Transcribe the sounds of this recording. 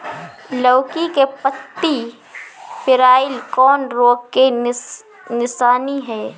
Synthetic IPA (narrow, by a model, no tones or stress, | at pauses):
ləːkikepət̪ːi | pɪɾaːɪlkɔːnɾoːɡke | nɪsaːniɦɛː